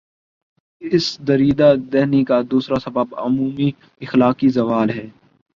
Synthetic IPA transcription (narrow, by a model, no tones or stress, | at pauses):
ɪsd̪ɐɾiːd̪ad̪ɛɦnikad̪uːsɾasɐbəbʊ̰muːmi | ɪxlaːkizɐʋaːlɦɛː